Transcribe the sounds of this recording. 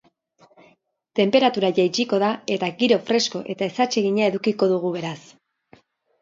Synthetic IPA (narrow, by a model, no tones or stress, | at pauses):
t̪e̞mpe̞ɾat̪uɾaʝajt͡ʃiko̞ðae̞t̪aɣiɾo̞fɾe̞sko̞ʔe̞t̪ae̞sat͡ʃe̞ɣiɲae̞ðukiko̞ðuɣ̞uβe̞ɾas